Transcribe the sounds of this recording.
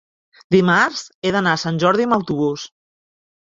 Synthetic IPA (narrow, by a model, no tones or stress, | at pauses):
d̪imaɾzeðənaəsanʲʒɔɾðiəməwt̪uβus